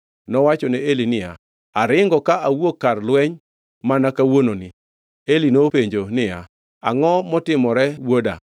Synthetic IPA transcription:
nɔwat͡ʃɔnɛelinɪja | aɾɪŋɡɔkaʔawokːarlwɛɲ | manakawononɪ | elinopeɲd͡ʒonɪja | aŋɔmɔtɪmɔɾɛwoda̰

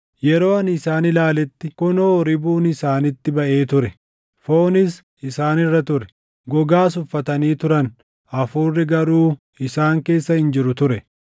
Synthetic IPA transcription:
jɛɾo̞ːɐnɪsaːnɪlaːlɛt̪ːɪkʊnoɾɪbuːnɪsaːnɪt̪ːɪbɐʔe̞ːt̪ʊɾɛ | fo̞ːnɪs | ɪsaːnɪrːɐt̪ʊɾɛ̥ | ɡɔɡaːs̬ʊfːɐt̪ɐniːt̪ʊɾɐn | ɐfuːrːɪɡɐɾuː | ɪsaːŋke̞ːsːɐhɪnd͡ʒɪɾʊt̪ʊɾɛ

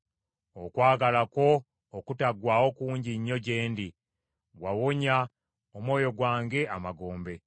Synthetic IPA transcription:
okwaːɡalako̞ː | kutaɡwaːwo̞kuːɲɟiɲːo̞ɟe̞ːndi | ɡwawoɲa | omwo̞ːjo̞ɡwaːŋɡe̞amaɡo̞ːmbe̞

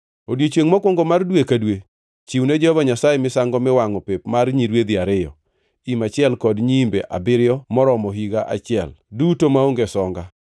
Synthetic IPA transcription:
odjet͡ʃweŋmɔkwɔŋɡɔmardwekadwe | t͡ʃiwned͡ʒɛhɔvaɲasajemɪsaŋɡɔmɪwaŋɔpepmaɾɲiɾwed̪iaɾɪjɔ̰ | imat͡ʃɪɛlkɔdɲimbeʔa̰bɪɾɪjɔmɔɾɔmɔɦiɡaʔa̰t͡ʃɪɛ̰ldutomaoŋɡesɔŋɡa

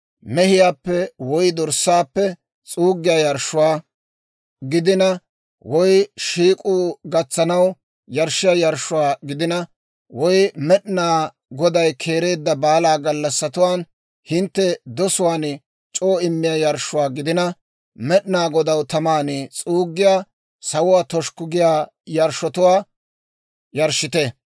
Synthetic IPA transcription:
mɛhɪjaːpːɛwɔjd̪ɔɾsːaːpːɛ | t͡sʼuːɡɪjɐjɐɾʃʊwaː | ɡɪd̪ɪnɐ | wɔjʃiːkʼuːɡɐt͡sːɐnɐw | jɐɾʃɪjajɐɾʃʊwaːɡɪd̪ɪnɐ | wɔjmɛɗnaː | ɡɔd̪ɐjkʰe̞ːɾe̞ːd̪ːɐbaːlaːɡɐlːɐsːɐt̪ʊwaːn | hɪnt̪ːɛd̪ɔsʊwaːn | t͡ʃʼoːɪmːɪjɐjɐɾʃʊwaːɡɪd̪ɪnɐ | mɛɗnaːɡɔd̪ɐwt̪ɐmaːnɪt͡sʼuːɡːɪjaː | sɐwʊwaːt̪ɔʃkʊɡɪjaː | jɐɾʃɔt̪ʊwaː | jɐɾʃɪt̪ɛ

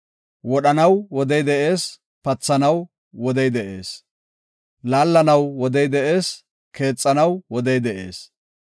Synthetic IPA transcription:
wɔɗɐnɐwwɔd̪ɛjd̪ɛʔe̞ːs | pɐt͡sːɐnɐw | wɔd̪ɛjd̪ɛʔḛːs | laːlːɐnɐwwɔd̪ɛjd̪ɛʔe̞ːs | kʰe̞ːt͡sʼːɐnɐwwɔd̪ɛjd̪ɛʔe̞̰ːs

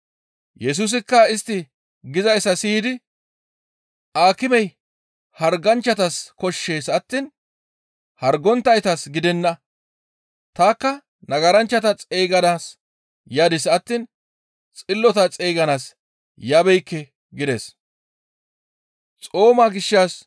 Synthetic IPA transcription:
jɛs̬us̬ɪkːɐɪst̪ːɪ | ɡɪzɐjsːɐsiːd̪ɪ | ʔaːkɪmɛj | hɐɾɡɐnt͡ʃːɐt̪ɐskɔʃːe̞ːsɐt̪ːiːn | hɐɾɡɔnt̪ːɐjt̪ɐsɡɪd̪ɛnːɐ | t̪aːkːɐ | nɐɡɐɾɐnt͡ʃːɐt̪ɐt͡sʼeːɡɐnaːs | jaːd̪ɪsɐt̪ːiːn | t͡sʼɪlːɔt̪ɐt͡sʼeːɡɐnaːs | jɐbɛjkːɛ | ɡɪd̪ḛs | t͡sʼo̞ːmaːɡɪʃːaːs

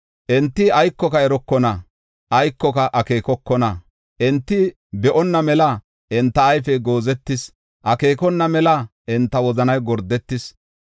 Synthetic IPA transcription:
ʔɛnt̪ːɪɐjkːɔkɐɛɾɔkːɔnɐ | ʔɐjkːɔkɐʔɐke̞ːkɔkːɔnɐ | ʔɛnt̪ːɪ | bɛʔɔnːɐmɛlɐ | ʔɛnt̪ːɐːjfɛɡo̞ːzɛt̪ːɪs | ʔɐke̞ːkɔnːɐmɛlɐʔɛnt̪ːɐwɔzɐnɐjɡɔɾd̪ːɛt̪ːɪs

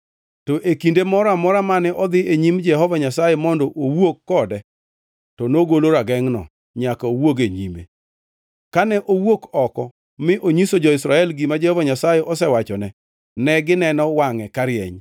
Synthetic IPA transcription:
tɔʔekindemɔɾamɔɾamanɛʔɔd̪ɪeɲimd͡ʒɛɦɔvaɲasajemɔndɔʔowokːɔdɛ | tɔnoɡoloɾaɡɛŋnɔ̰ | ɲakaowoɡeɲimḛ | kanɛʔowokɔkɔ | mɪʔoɲisod͡ʒɔɪsɾaɛlɡimad͡ʒɛhɔvaɲasajɛʔɔsɛwat͡ʃɔnɛ | nɛɡɪnɛnɔwaŋɛkaɾjɛ̰ɲ

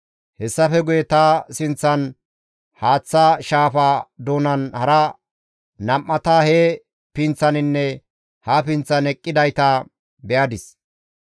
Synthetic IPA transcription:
hɛsːɐfɛɡʊjɛt̪ɐsɪnt͡sːɐn | haːt͡sːaʃaːfad̪oːnɐnhɐɾɐ | nɐmːɐt̪aheː | pɪnt͡sːɐnɪnːɛ | hapɪnt͡sːɐnɛkʼːɪd̪ɐjt̪ɐ | bɛjɐd̪ɪs

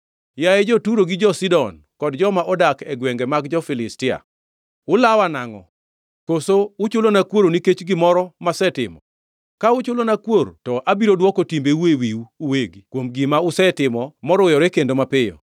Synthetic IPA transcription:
jaɛd͡ʒotuɾoɡɪd͡ʒɔsidɔn | kɔdd͡ʒɔmaʔɔdakɛɡweŋɡemaɡd͡ʒɔfɪlɪstɪa̰ | ʊlawanaŋɔ̰ | kosoʊt͡ʃʊlonakwoɾoniket͡ʃɡɪmɔɾɔmasɛtɪmɔ | kaʊt͡ʃʊlonakwoɾotɔʔabiɾodwɔkɔtimbeuwewiuuweɡikwomɡɪmaʊsɛtɪmɔmɔɾɔjɔɾɛkendomapɪjɔ̰

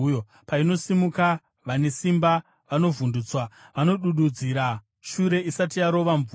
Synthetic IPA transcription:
o | paino̞simuka | ʋane̞simba | ʋano̞vunduːt͡swaʋano̞ɗuɗud͡ziɾa | ʃuɾe̞isatijaɾo̞ʋaɱvu

